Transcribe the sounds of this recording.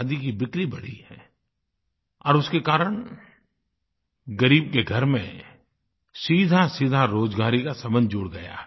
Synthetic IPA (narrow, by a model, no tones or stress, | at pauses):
d̪ikibɪkɾibɐɽ̤ḭɦɛ̰ː | ɔ̰ːɾʊskekaːɾəɽ̃ | ɡɐɾiːb̚keɡʱɐɾmḛ̃ | siːd̪ʱasiːd̪ʱaɾoːd͡ʒɡaːɾikasɐmə̃nd͡ʒʊɽɡɐja̰ː